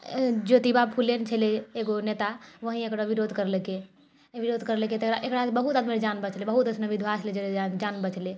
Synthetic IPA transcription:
d͡ʒot̪ibapʰulent͡ʃʰeleːɡonet̪aʋəɦĩekɽoʋiɾod̪ʱkəɾleke | ʋiɾod̪ʱkəɾleket̪ekɾaʔekɽabəɦut̪ad̪med͡ʒanbət͡ʃlebəɦut̪əsnəʋid̪ʱʋat͡ʃʰled͡ʒeleand͡ʒanbət͡ʃʰle

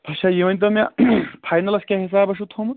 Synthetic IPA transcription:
ɐt͡ʃʰajeʋɐnʲt̪̬ɐmɐ̃pʰaːjnɐlɐskʲaɦisaːbɐʃ̬ut̪ʰomɐt̪

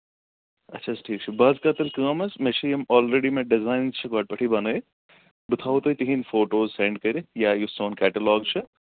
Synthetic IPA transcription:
ɐtːʃʰɐsʈʰiːk̚t͡ʃʰibɐːzkaːt̪ɐlkɐːmɐsmet͡ʃʰijɐmɔːlɾeːɖimẽɖɪzaːɪnt͡ʃʰɐɡaːɖ̚pɐʈʰibɐnɐːe | bʊt̪ʰaːwt̪oit̪iɦinfoːʈoːzsẽɳɖ̚kɐɾijaːjusoːnkɛːʈɐlɔːɡt͡ʃʰɐ

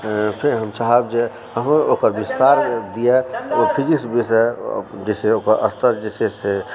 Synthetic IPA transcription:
pʰɪɾɦəmt͡ʃaɦəbd͡ʒe | ɦəmoːkəɾbist̪aːɾd̪ijepʰid͡ʒiksbʱisḛd͡ʒeseokəɾə̰st̪ʰəɾd͡ʒesese

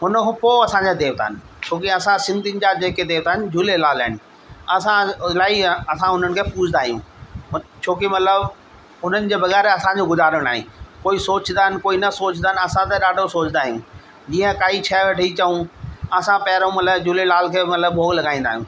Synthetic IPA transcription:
ɦʊnpoːɐsãd͡ʑad̪eːʋt̪a̰ːɦɪnɪ̆ | t͡ɕʰoːkiɐsãsɪ̃nd̪ʱinɪ̆d͡ʑad͡ʑeːked̪eːʋt̪aːɦɪnɪ̆d͡ʑulelaːlaːɪnɪ̆ | ɐsãlaːiɐsãɦʊn̤ənɪ̆kʰepuːt͡ʃʰnd̪aːɦijũ | t͡ɕʰoːkimɐt̪ləb | ʊn̤ənɪ̆d͡ʑeːbɐɣɛːɾeɐsãd͡ʑoɡʊzaːɾəɽ̃naːɦḭ̃koːisoːt͡ɕnd̪aːɦɪnkoːinɐsoːt͡ɕnaːɦɪnɐsãt̪ɐɗaːɖʱosoːt͡ɕʰnd̪aːɦijũː | d͡ʑiːə̃kaːit͡ɕʰaʋɐʈʰit͡ɕɐʋũɐsãpɐɦɾõmɐt̪ləbd͡ʑuːlelaːlkʰeːmɐt̪ləb̚bʱoːɡlɐɡaːĩːn̆d̪aːɦijũː

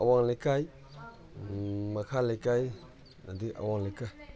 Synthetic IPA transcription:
awaŋlejkaj | makʰalejkaj | nadika̰waŋlejkaj

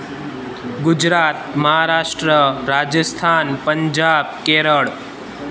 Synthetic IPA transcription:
ɡud͡ʒɾaːt̪̚məɦaɾaːʂʈɾəɾaːd͡ʒəst̪ʰaːnpəɲd͡ʒaːb̚keɾəɭ

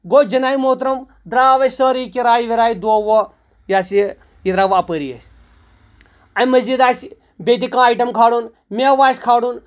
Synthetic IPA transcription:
ɡoːd͡ʒɐnaːjmoːt̪ɾɐm | d̪ɾaːʋɐssəːɾikiɾaːjiʋiɾaːid̪oːʋo | jaːsi | jid̪ɾaːʋɐpəɾijɐ̰sʲ | ɐmɐzid̪aːs | bʲet̪̬ikãːjʈɐmkʰaːɽun | meʋaːsʲkʰaːɽun

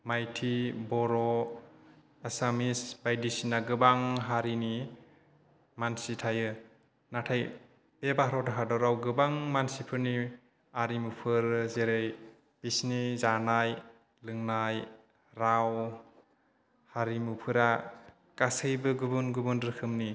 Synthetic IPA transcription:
majtʰibɔɾɔ | asamisbajdisinaɡɯbaŋɦaɾini | mansitʰajɯ | natʰaj | b̥ebaɦɾɔdaɦadɔɾawɡɯbaŋmansipʰɯɾni | aɾimupʰɯɾzeɾɯj | b̥isnizanaj | lɯŋnaj | ɾaw | haɾimupʰɯɾa | kasɯjbɯɡubunɡubɯndɾɯkʰɯmni

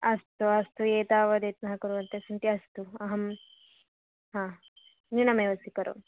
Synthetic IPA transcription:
ɐst̪uɐst̪ueːt̪aːʋɐd̪eːt̪̚nɐɦɐkɐɾuʋɐnt̪esɐnt̪iɐst̪uɐɦɐm | ɦãː | niɳɐmeːʋɐsikɐɾʔo̰

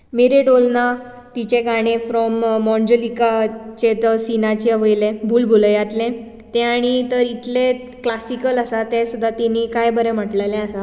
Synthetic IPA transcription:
meɾeɖolna | t̪it͡ɕeɡaɽ̃efɾɔmːɔ̃ɲd͡ʑəlikat͡ɕet̪sinat͡ɕeəʋəjlẽbʱuːlbʱoləjat̪lẽ | t̪ẽaɽ̃it̪əɾit̪le | klasikələsat̪esud̪ʱːat̪inikajbəɾɛ̃m̤əʈlalɛ̃əsa

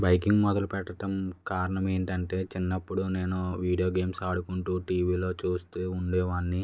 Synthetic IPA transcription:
bɐjkiŋɡmɔd̪ɐlupɛʈːɐʈɐmkaːɾɐɳɐme̞ːɳʈɐɳʈe̞ːt͡ʃinːɐpːuɽune̞ːnuʋiːɽijo̞ːɡeːmsaːɽukuɳʈuːʈiːʋiːlo̞ːt͡ʃuːst̪eːuɳɖeːʋaːɳːi

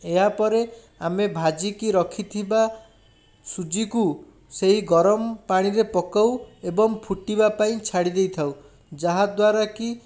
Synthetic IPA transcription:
eɦapɔɾe | amebʱad͡ʒikiɾɔkʰit̪ʰiba | sud͡ʒiku | seɦiɡɔɾɔmɔpaɽ̃iɾepɔkawebɔŋpʰuʈibapaĩt͡ʃʰaɽid̪ejt̪ʰaw | d͡ʒaɦad̪waɾaki

